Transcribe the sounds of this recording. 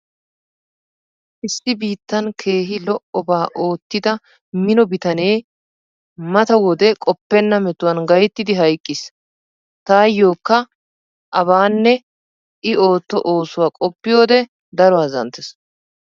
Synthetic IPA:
ʔɪsːɪbiːt̪ːɐnkʰe̞ːɦɪlɔʔɔbaːʔo̞ːt̪ːɪd̪ɐ | mɪnɔbɪt̪ɐne̞ː | mɐt̪ɐwɔd̪ɛkʼɔpːɛnːɐmɛt̪ːʊwɐnɡɐjɛt̪ːɪd̪ɪɦɐjkʼːɪs | t̪aːjːo̞ːkːɐ | ʔɐβaːnːɛ | ʔɪo̞ːt̪ːɔʔoːsʊwaːkʼɔpːɪjo̞ːd̪ɛ | d̪ɐɾɔwaːzɐ̰nt̪ːɛs

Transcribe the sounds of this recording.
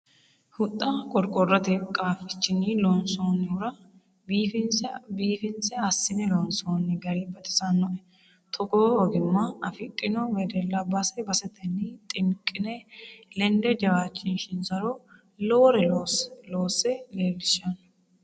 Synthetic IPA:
hʊt̪ʼːɐkʼɔɾkʼɔrːɐt̪ɛkʼaːfɪt͡ʃːɪnilonsoːnːɪʊɾɐ | biːfɪnsbiːfɪnsɛɐsːɪnɛlɔnsoːnːɪɡɐɾɪbɐt̪ɪ̥sɐnːɔʔɛ | t̪ʰɔɡoːɔɡɪmːɐɐfɪt̪ʼːɪnɔmɛd̪ɛlːɐbɐsɛbɐsɛt̪ɐnːit̪ʼɪŋkʼːɪnɛlɛnd̪ɛd͡ʒɐwaːt͡ʃʼːɪnʃɪnsɐɾo | loːɾɛlosloːsːɛleːlːɪʃɐn

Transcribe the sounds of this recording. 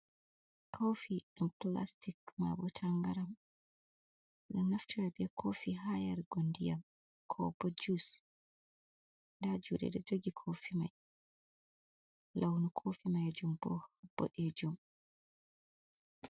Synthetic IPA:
kʰawfiɗumpla̰stikma̰bɔtʰaŋɡaɾam | ɗɔnaftiɾabɛkʰofiɦajaɾɡondijam | kʰɔbɔd͡ʒus | ndad͡ʒuːdɛ̰ɗɛd͡ʒoɡikʰofima̰j | lawnukʰofimajd͡ʒumbɔ̰hb̥ːɔ̰ɗɛd͡ʒum

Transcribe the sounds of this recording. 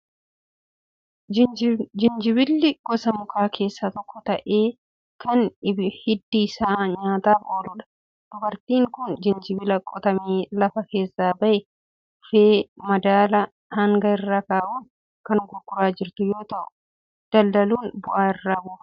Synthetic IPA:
d͡ʒɪnd͡ʒɪbɪlːɪɡ̥ɔsɐmʊkʰaːkʰe̞ːsːɐt̪ɔkːɔt̪ɐʔe̞ː | kʰɐnɪhɪd̪ːiːsaːɲaːt̪aːfo̞ːlʊᶑɐ̥ | d̪̥ʊbɐɾt̪iːŋkʊnd͡ʒɪnd͡ʒɪbɪlɐkʼɔt̪ɐmiːlɐfɐke̞ːsːaːbɐʔɛ | feːmɐd̪aːlɐ | hɐŋɡɐɪrːaːkaːʔuːn | kɐnɡʊɡːʊɾaːd͡ʒɪɾt̪ʊjo̞ːt̪ɐʔʊ̥ | d̪̥ɐld̪ɐluːnbʊʔaːɪrːaːbʊː

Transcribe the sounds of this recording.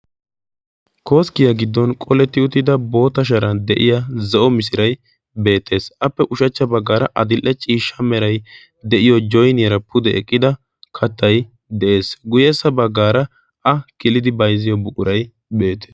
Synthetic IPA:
ko̞ːskɪjɐɡɪd̪ːɔnkʼɔlɛt̪ːɪʊt̪ːɪd̪ɐbo̞ːt̪ɐʃ̬ɐɾɐnd̪ɛʔɪjazɛʔɔmɪsɪɾɐj | be̞ːt̪ːe̞ːsʔɐpːɛʔʊʃɐt͡ʃːɐbɐɡːaːɾɐʔɐd̪ɪlʔːɛt͡ʃʼiːʃːɐmɛɾɐj | d̪ɛʔɪjɔd͡ʒɔjnɪjɐɾɐpʰʊd̪ɛɛkʼːɪd̪ɐ | kʰɐt̪ːɐj | d̪ɛʔe̞ːsɡʊjɛsːɐbɐɡːaːɾɐ | ɐkɪlɪd̪ɪbɐjzɪjɔbʊkʼʊɾɐj | be̞ːt̪eːs

